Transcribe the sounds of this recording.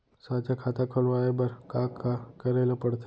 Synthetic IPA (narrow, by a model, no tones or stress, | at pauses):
saːt͡ʃakʰaːt̪akʰəlʋaːebɐɾkaːkːakɐɾeːlapɐɽt̪ʰ